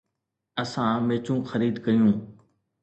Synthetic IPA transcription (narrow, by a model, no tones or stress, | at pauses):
əsãːmeːt͡ʃũːxəɾiːd̪kəjũː